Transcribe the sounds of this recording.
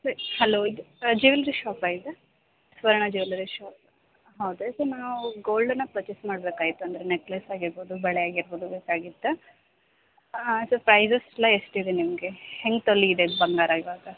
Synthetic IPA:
sɐɾihɐloːid̪d͡ʒiʋlɐɾiʃaːpaːɡid̪e | sʋɐɾɐɳɐd͡ʒiʋlɐɾiʃaːp | ɦɐwd̪esɐɾnaːuɡoːlɖɐnːɐpɾɐt͡ʃesmaːɽbeːkaːɡit̪ːuɐnd̪ɐɾeneklɐsaːɡiɾboːd̪ubɐɭejaːɡiɾboːd̪ubeːkaːɡid̪ːɐ | sɐɾpɾɐjzɐsɐlːɐesʈid̪enimɐɡe̞heŋɡt̪olːiːd̪ebɐŋɡaːɾaiʋaːɡɐ

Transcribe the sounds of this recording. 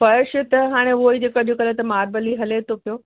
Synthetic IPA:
fɐɾʃɪt̪ɐɦaːɽ̃eʊoid͡ʑeːkɐʄʱukɐlet̪ɐmaːɾbəliɦɐlet̪ʰopijoː

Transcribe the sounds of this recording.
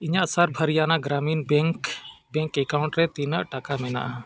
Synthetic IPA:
iɲaʔsaɾbʱəɾijanaɡɾaminbɛŋkbɛŋkɛkawɳʈɾɛt̪inəʔʈakamɛna̰ʔa

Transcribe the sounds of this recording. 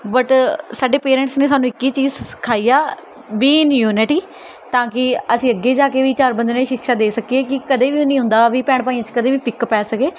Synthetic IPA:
bəʈsaːɖeːpeːɾɛ̃ɳʈsneːs̬aːnũːɪkːiːt͡ʃiːzkʰaːiːaː | biːɪnjuːnɪʈiː | t̪ãːkɪəsĩːəɡːeːd͡ʒaːkeːʋiːt͡ʃaːɾbə̃nd̪neːʃɪkʃaːd̪eːsəkieːkɪkəd̪eːʋiːonĩːɦʊ̃nd̪aːʋiːpɛːɽ̃paːĩːãːt͡ʃkəd̪eːʋiːpʰɪkpɛːsəkeː

